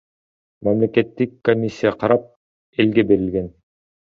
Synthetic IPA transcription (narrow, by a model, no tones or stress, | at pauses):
mæmlʲeket̪ːikːomʲisʲːijaqʰɑɾɑp̚ | elɡebeɾilɡen